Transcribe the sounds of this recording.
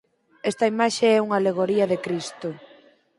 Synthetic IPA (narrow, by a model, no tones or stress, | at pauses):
ɛst̪ɐimaʃeɛuŋaleɣ̞oɾiɐðekɾist̪ʊ